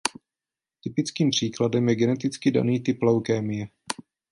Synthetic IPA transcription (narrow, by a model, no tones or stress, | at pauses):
t̪ɪpɪt͡skiːmpr̝̥iːkladɛmjɛɡɛnɛt̪ɪt͡skɪda̰niːt̪ɪplowkɛːmɪjɛ